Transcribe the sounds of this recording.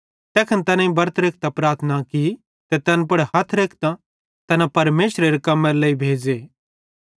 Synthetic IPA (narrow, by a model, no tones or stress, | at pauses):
t̪ɛːkʰɐnt̪ɐnãĩbɐɾət̪ʰɾeːk̚ʰt̪apɾaːɾt̪ʰnaki | t̪ɛt̪ɛnpɐɽɦɐt̪ʰɾeːkʰt̪a | t̪ɐnapɐɾmeːsɾeɾekɐmːẽɾlɐibʱeːd͡ʒeː